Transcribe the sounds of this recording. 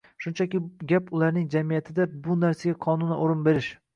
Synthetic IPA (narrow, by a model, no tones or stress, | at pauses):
ʃʊnt͡ʃʰakʲɪɡʲapʊlˠaɾnɪŋd͡ʒamijat̪ʰɪd̪abʊnaɾsaɡʲaqʰɒnʊnɪʔoɾɪnbe̞ɾɪʃ